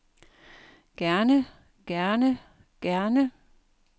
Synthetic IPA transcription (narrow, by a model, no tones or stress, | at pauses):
ɡ̥æɐnə | ɡ̥æɐnə | ɡ̥æɐnə